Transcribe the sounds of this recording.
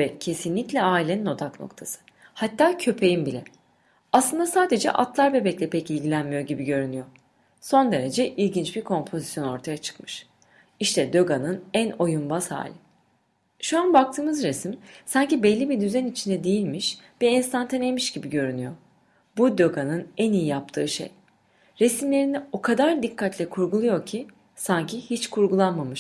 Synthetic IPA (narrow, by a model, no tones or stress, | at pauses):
ɛe̞sinlʲiclʲɛaːilʲenino̞d̪akno̞̰kt̪ʰasɯ̥ | hat̪ʰːaːcʰø̞pʰe̞jimbilʲɛ | aslˠɯnd̪asaːd̪e̞d͡ʒɛ̰ʔa̰t̪lˠaɾbɛbɛclʲɛpʰɛcilʲɟilʲænmijo̞ɟibiɟø̞ɾynyjo̞ | so̞nd̪e̞ɾe̞d͡ʒɛʔilʲɟint͡ʃbiɾkʰo̞mpʰo̞zi̥sjo̞no̞ɾt̪ʰajat͡ʃʰɯ̥kmɯ̥ʃ | iʃt̪ʰɛd̪ø̞ɡanɯnæno̞jumbasha̰ːlʲɪ | ʃuanbak̚t̪ʰɯːmɯzɾesimsaɲcibɛlʲːibid̪yzɛnit͡ʃʰind̪ɛd̪ejilʲmiʃv̥ɛɛnst̪ʰant̪ʰenejmiʃɟibiɟø̞ɾynyjo̞ | bud̪ø̞ɡanɯnænijijap̚t̪ʰɯːʃḛj | ɾesimlʲe̞ɾinio̞kʰad̪aɾd̪ikʰːat̪ʰlʲɛkʰuɾɡulˠujo̞ɾcʰi | saɲcʰihit͡ʃkʰuɾɡulˠanmamɯʃ